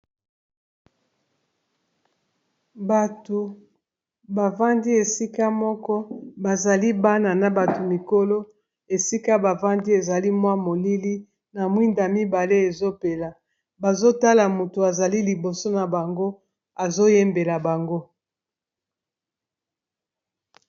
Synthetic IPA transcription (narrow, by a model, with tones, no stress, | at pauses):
ba˨to˨ | ba˨va˦ndi˦e˨si˦ka˦mɔ˦kɔ˦ba˨za˨li˦ba˦na˨na˨ba˨to˨mi˨ko˦lo˦ | e˨si˦ka˦ba˨va˦ndi˦e˨za˨li˦mwa˦mo˨li˦li˦ | na˨mwi˦nda˨mi˦ba˨le˦e˨zo˦pe˨la˨ | ba˨zo˦ta˦la˨mu˨tu˨a˨za˨li˦li˨bo˨so˦na˨ba˨ŋɡo˦ | a˨zo˦je˦mbe˨la˨ba˨ŋɡo˦